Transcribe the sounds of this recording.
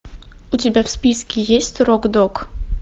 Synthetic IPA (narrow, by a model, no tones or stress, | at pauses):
utʲɪbʲafspʲiskʲɪjesʲtʲroɡd̪ok